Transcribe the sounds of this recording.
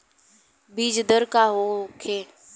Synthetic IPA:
biːd͡ʒd̪əɾkaːɦoːkʰeː

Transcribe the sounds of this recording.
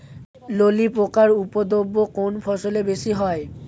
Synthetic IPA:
lolipɹokaɹupɔd̪obːokonpʰɔsɔlebesiɦɔj

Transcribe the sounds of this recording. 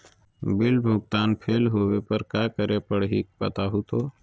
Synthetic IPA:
bɪlbʱʊɡ̚t̪aːnpʰeːlɦoːwepəɾkaːkəɾepəɽɦik̚pɐt̪aɦut̪oː

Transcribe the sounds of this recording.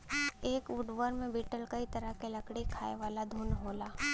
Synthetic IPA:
eːkʋʊɖʋəːɾmẽbiːʈəlkɐit̪ɐɾəɦkelɐkɽikʰa̰ːeʋaːlad̪ʱuːnɦoːlaː

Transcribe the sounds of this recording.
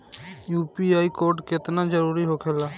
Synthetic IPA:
juːpiaːikoːɾʈkɪt̪nad͡ʒəɾuːɾiɦoːkʰeːlaː

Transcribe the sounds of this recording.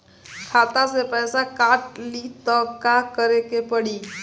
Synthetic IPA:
kʰat̪asepəjsakaʈliːt̪əkakəɾekepəɽiː

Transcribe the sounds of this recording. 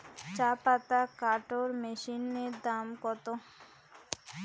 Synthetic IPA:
t͡ɕapat̪akaʈoɾmeʃineɾd̪amkɔt̪o

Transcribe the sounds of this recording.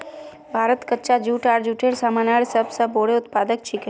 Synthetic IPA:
bʱaːɾət̪kətːʃad͡ʒuːʈaːɾd͡ʒuːʈʰeːɾsaːmaːnaːɽesəbsɐboːɽeʊt̪paːd̪ək̚t͡ʃʰike

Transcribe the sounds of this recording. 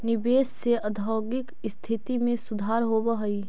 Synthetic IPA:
nɪbeːsːeʔɐd̪ʱɔːɡɪk | st̪ʰɪt̪imẽsʊd̪ʱaːɾɦobəɦəiː

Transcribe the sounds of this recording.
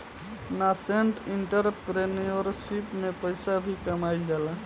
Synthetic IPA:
naseɳʈiɳʈəɾpɾenijoɾsipmepəjsabʱikəmajld͡ʒala

